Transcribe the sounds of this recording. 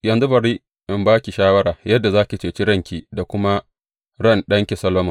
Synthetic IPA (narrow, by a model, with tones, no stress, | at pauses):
jɐ˨nzu˦bɐ˨ɽiː˦ | ʔɪ˨mbaː˦kʲi˨ʃaː˦wɐ˦ɽaː˨jɐ˦dːa˨zaː˦kʲi˨t͡ʃeː˨t͡ʃi˦ɽɐ˦˨ŋkʲiː˨da˨kʷʊ˦ma˦ | ɽɐ˦˨nɗɐ˦ŋkʲe˨sɐ˦lːoː˦mɐ˨